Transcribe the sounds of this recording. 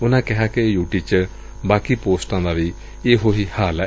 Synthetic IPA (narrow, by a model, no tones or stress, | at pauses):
ʊnãːkɪɦaːkɪjuːʈiːt͡ʃə | baːkiːpoːsʈãːd̪aːʋiː | eːɦoːɦiːhaːl